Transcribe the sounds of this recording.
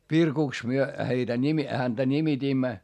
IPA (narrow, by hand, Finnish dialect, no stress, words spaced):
ʋirkuˑks myø heitæ nimi hæntæ nʲimitiːmːæ